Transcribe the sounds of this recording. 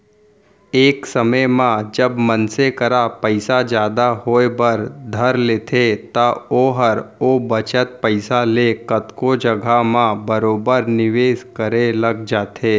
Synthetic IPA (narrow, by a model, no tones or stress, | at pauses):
eːksəməjmãd͡ʒəbmənsekəɾapəɪsad͡ʒjaːd̪aɦoːebəɾd̪ʱəɾleːt̪ʰet̪aoːɦəɾoːbət͡ʃət̪̚pəɪsalekət̪kod͡ʒəɡʱamãbəɾoːbəɾnɪʋeːʃkəɾelɐɡd͡ʒaːt̪ʰeː